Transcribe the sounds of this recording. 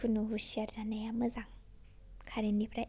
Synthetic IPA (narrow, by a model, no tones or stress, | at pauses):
unuɦusiaɾdanajamɯzaŋ | kʰaɾinipʰɾa